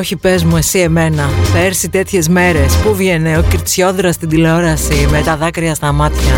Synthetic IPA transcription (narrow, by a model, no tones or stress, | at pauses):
oçipe̞zmue̞sie̞me̞nɐθɐeɾsit̪e̞t̪çe̞zme̞ɾe̞spuvʝene̞ociɾt͡sço̞ðɾɐst̪ind̪ileo̞ɾɐsime̞t̪ɐðɐkɾiɐst̪ɐmɐt̪çɐ